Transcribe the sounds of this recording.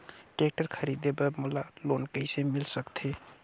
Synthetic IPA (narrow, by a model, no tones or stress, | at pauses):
ʈek̚ʈəɾkʰəɾid̪ebəmulalonkəisemilsəkt̪ʰe